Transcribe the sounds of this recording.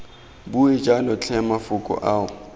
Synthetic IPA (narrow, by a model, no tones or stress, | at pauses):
bued͡ʒʼalʊt͡ɬʰɛmafʊkʼɔ̰ʔaːʊ